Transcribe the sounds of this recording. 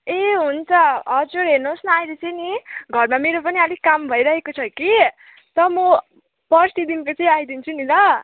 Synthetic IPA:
eɦunt͡sʰʌʌd͡zuɾɦeɾnosnʌajɾet͡sʌniɡʱʌrmameɾopʌniʌlikambʱʌjɾʌɦekot͡sʰʌki | t̪ʌmʌ | pʌrst̪id̪inkot͡sʌĩajd̪int͡sʰuniɾʌ

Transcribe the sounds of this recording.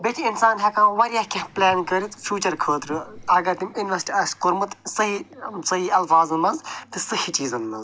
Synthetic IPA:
bit͡ʃɪnsaːnɦɛkãːʋɐɾijɐhkʲɐ̃ɦplɛːnkəɾit̪fʰjuːt͡ʃɐɾkʰəːt̪ɾuɐɡɐɾt̪imjunʋɐɾsi̥ʈiɐskʊɾmɨt̪sɐɦisɐɦiːɐlfaːznmɐnzt̪ɨsɐkʰit͡ʃiːzɐnmɐnz

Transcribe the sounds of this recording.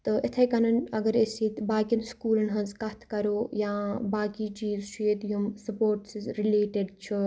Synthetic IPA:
t̪əɪt̪ʰɐjkɐnənɐɡəɾesiːt̪baːkʲinskuːlɐnɦɐnzkɐt̪ʰkɐɾoːjãːbaːkit͡ʃiːzt͡ʃʰiet̪jumsɐpoːɾʈsizɾileːʈeɖt͡ʃʰi

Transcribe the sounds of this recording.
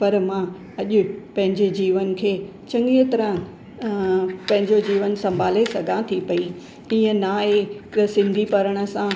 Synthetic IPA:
pɐɾmã | ɐʄʊpɐ̃ɦɪ̃ɲd͡ʑed͡ʑiːʋən̆kʰeː | t͡ɕɐ̃ŋɡiːət̪ɐɾə̃ | pɐ̃ɦɪ̃ɲd͡ʑod͡ʑiːʋənsɐ̃mbʱaːlesɐɡʱãt̪ʰipɐi | ĩːə̃naːɦet̪ɐsɪ̃nd̪ʱipɐɾəɽ̃ə̆sã

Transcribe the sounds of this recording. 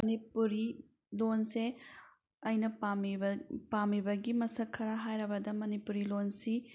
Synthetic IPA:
nipuɾi | lonse | ɐjnɐmpamibɐɡimɐsɐkʰːɐɾɐɦajɾɐbɐdɐmɐnipuɾilonsi

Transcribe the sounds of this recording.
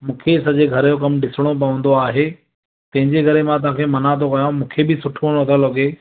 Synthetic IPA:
mũːkʰesɐʄeɡʱɐɾjok̬ɐmɖɪsɽ̃opɐʋə̃nd̪oaːɦe | t̪ɐ̃ɦɪ̃ɲd͡ʑeɡʱɐɾemãt̪̬ɐɦãːkʰemɐnat̪̬ʰokɐjãmũːkʰebɪsʊʈʰɐɽ̃õt̪ʰəlɐɡe

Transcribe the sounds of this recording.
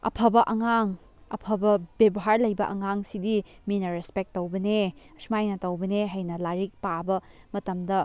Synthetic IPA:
ɐ̰pʰɐbɐʔɐŋaŋ | ɐ̰pʰɐbɐbebɐɦaɾlɐjbɐ̰ʔɐŋaŋsidiminɐɾespek̚tːowbɐneɐsumajnɐtɐwbɐneɦɐjnɐlaɾik̚pabɐ | mɐtɐmdɐ

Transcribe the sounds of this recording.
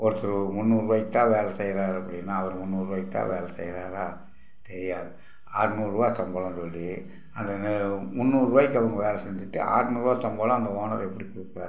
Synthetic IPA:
ɔɾɯt̪ːɐɾɯmʊnːuːɾʋɐɪkːt̪ãːʋeːlɛsɛjɾaːɾɐpːɐɽɪnːaːɐʋɐɾmʊnːuːɾʋɐjɪkːt̪ã̰ːʋeːlɛsɛ̰jɾaːɾaː | t̪ɛɾɪjaːðɯ | aːɾɯnuːɾɯʋaːsɐmbɐːlɐ̃msɔlːi | ɐnd̪ɐnmʊnːuːɾɯʋɐjɪkːɯɐʋɐŋɡɐʋeːlɛsɛɲd͡ʒɪʈːɯʔa̰ːɾɯnuːɾʋaːsɐmbɐːlɐ̃ɐnd̪ɐoːnɐɾɛpːɐɽikʊɽɯpːaːɾ

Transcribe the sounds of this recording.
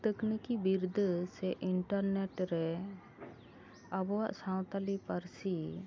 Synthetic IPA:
t̪əknəkibiɾd̪ʱsɛʔiɳʈaɾnɛʈɾɛ | abɔwaʔsaw̃t̪alipəɾsi

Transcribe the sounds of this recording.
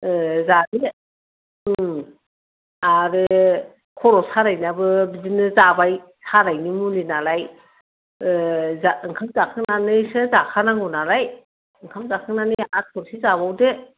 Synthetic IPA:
zade | aɾɯ | kʰɔɾɔsʰaɾajnabɯbizinɯzabajsʰaɾajnimulinalaj | zaɯŋkʰak̚zakʰɯŋnanɯsɯzakʰanaŋɡunalaj | ɯŋkʰamzakʰɯŋnaniakʰɔɾsʰizaβawde

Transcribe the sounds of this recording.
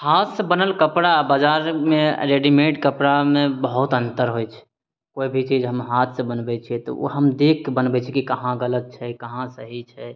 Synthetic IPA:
hat̪ʰsə̃bənəlkəpɽabad͡ʒaɾmeɾeɖimeʈkəpɽamẽbəɦut̪ənt̪əɾɦojt͡ʃʰɛ̥ | koibʱit͡ʃid͡ʒɦəmɦat̪ʰsə̃bənbɛt͡ʃʰiɛt̪ɔ̰o̰ɦəmd̪ekːbənbɛt͡ʃʰɛkikəɦãɡələd̪̚t͡ʃʰɛkəɦãsəɦit͡ʃʰɛ

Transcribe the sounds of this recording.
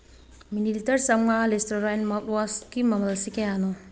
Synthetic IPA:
minilitɐɾsamŋalestɾɔɾajnmapwaskimɐmɐlasikeanɔ

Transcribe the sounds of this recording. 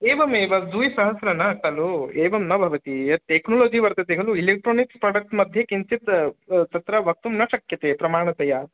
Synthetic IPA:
eːʋɐmeːʋɐd͡zujisɐɦɐsɾɐnɐkɐlueːʋɐmnɐbʱɐʋɐt̪iɐʈeːknoːloːd͡ʒiʋɐɾt̪ɐt̪eːɡɐluileːk̚ʈɾoːnikspɾɐːɖɐk̚ʈmɐd̪ʱjɐkint͡ʃit̪t̪ɐt̪ɾɐʋɐk̚t̪umnɐʃɐkjɐt̪eːpɾɐmaːɳɐt̪ɐja

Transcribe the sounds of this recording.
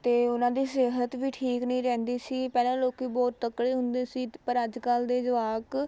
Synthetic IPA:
t̪eːʊnãːd̪iːseːɦət̪ʋiːʈʰiːknəĩːɾɛ̃ːnd̪iːsiːpɛːlãːloːkiːbɔːt̪ːəkɽeːɦʊnd̪eːsiːpəɾəd͡ʒkəld̪eːd͡ʒəʋaːk

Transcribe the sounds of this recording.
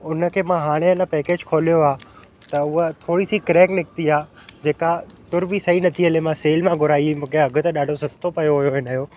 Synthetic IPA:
ʊnə̆kʰeːmãɦaːɽ̃eɐnəpɛːkeːd͡ʑkʰoːlijoaː | t̪ɐʊɦət̪ʰoːɽisikɾɛːknɪkɪt̪iaː | d͡ʑeːkat̪ʊɾbisɐɦinɐt̪ʰiɐlẽmãseːlmãɡʱʊɾaːimũːkʰeɐɡʱt̪ɐɗaːɖʱosɐst̪opɐjoɦʊjoɦɪnajoː

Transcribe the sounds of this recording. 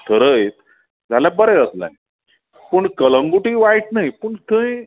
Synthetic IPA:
t̪ʰəɾəjt̪ | d͡zʱaljabəɾaəsla̰n | pəɳkələŋɡuʈiːʋaiʈ̚najpəɳkə̃j

